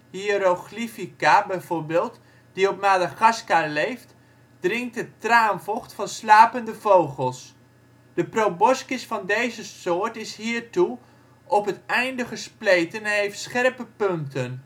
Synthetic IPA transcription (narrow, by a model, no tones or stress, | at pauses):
hiɾoχlifikabɛjvoːɹbeːlˠt | d̥iɔpnaːdaχɑskalejft | d̥rɪŋk̚tətraːnvɔχtfɑnslaːpəndəvowχəlˠs | d̥əprowbɔskɪsfɑndejzəsʊːɹtɪsɦiːɹtu | ʔɔpɦətɛjndəχəsplejtənɛnɦejftsχɛrpəpɵntən